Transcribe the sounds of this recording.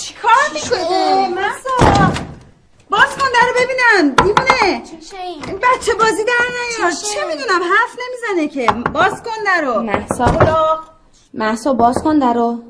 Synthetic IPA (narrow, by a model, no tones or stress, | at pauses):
t͡ʃʰi̥kʰɒːɾmikʰonemæsɔ | bɒːz̥kʰond̪æɾobe̞biːnænbibune | ibætt͡ʃʰːe̞bɒːziːd̪æɾnæjoɾt͡ʃʰemid̪unæmɦæɾfne̞mizænecʰe̞bɒːzkond̪æɾomæhsɒ | mæhsɔːbɒːzkʰond̪æɾo